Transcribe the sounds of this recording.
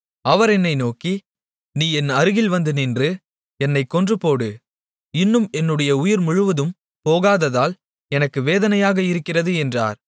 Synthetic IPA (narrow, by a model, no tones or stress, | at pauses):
ɐʋɐɾɛnːɐɪnoːki | niːɛnɐɾɯɣɪlʋɐnd̪ɯnɪndrɯ | ɛnːɐɪkːɔndrɯpoːɽɯ | ɪnːɯmɛnːɯɽɐjɐʊjɪɾmʊɻɯʋɐðɯm | poːɣaːðɐðaːl | ɛnɐkːɯʋeːðɐnɐjaːɣɐɪɾɯkːɪrɐðɯɛndra̰ːɾ